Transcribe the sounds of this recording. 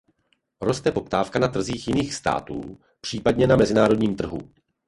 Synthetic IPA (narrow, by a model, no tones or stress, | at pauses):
ɾo̞st̪ɛpo̞pt̪aːfkanat̪r̩ziːxjɪniːxst̪a̰ːt̪ṵː | pr̝̥iːpadɲɛnamɛzɪnaːɾo̞dɲiːmt̪r̩ɦṵ